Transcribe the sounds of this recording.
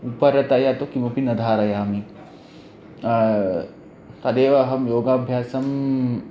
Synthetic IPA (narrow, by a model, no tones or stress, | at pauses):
upɐɾɐt̪ɐjat̪okimɐpinɐd̪ʱaːɾɐjaːmi | t̪ɐd̪eːʋɐɦɐmjoːɡaːbʱjaːsɐm